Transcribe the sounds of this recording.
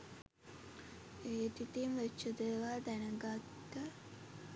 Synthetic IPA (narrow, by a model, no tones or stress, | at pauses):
eːt̪it̪imʋet͡ʃːəd̪eʋaːd̪ænəɡat̪ːə